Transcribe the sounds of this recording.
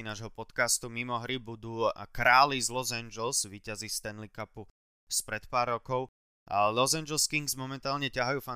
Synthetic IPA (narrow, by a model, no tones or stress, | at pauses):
inaːʒɦɔpɔt̪kast̪umimɔɦɾibud̪uːkɾaːlizlɔzɛnd͡ʒɛlzʋiːcazist̪ɛnlikapu | spɾɛt̪paːɾːɔkɔʊ | lɔzand͡ʒɛlskiŋɡzmɔmɛnt̪aːlɲɛcaɦajuːfa